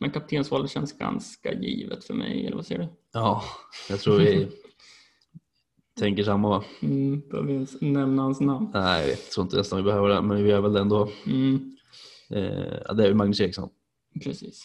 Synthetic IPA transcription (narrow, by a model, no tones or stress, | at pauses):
mɛnkʰap̚t̪ʰeːnsvɔlət̪ɕɛnːsɡa̰nska̰jiːvət̪fœɾmɛ̰jɛ̰lʔəvasɛ̰jəɖɵ | ɑːjɑt̪ʰɾuːɾvɪ | t̪ʰɛŋkəʂamːavabɑ̰vɪansnɛmnahansnamnnæɪ̰ɪ̰t̪ʰːɾuːɪnt̪ənɛst̪anvɪbɛhøːvəɖɛmɛnvvɪæɾvɛld̪ɛnd̪oː | ɑ̰d̪ɛːɾjɪmaɡnɵseːksɔ̰m | pʰɾɛsiːs